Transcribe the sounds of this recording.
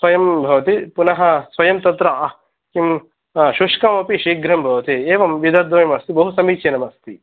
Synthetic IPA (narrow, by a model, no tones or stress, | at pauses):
sʋɐjɐmbʱɐʋɐt̪ipunɐɦɐ̆sʋɐjɐmt̪ɐt̪ɾɐɐ | kim | ʃuʂkɐmɐpiʃiːɡɾɐmbʱɐʋɐt̪ieːʋɐmʋid̪ʱɐd̪ʋɐjɐmɐst̪ibɐɦusɐmiːt͡ʃɐnɐmɐst̪i